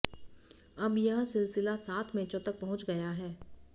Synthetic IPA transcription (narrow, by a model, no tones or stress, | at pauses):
ɐbjɐɦsɪlsɪlasaːt̪ʰmɛ̃ːt͡ʃõt̪ɐk̚pɐɦʊ̃t͡ʃɡɐjaɦɛː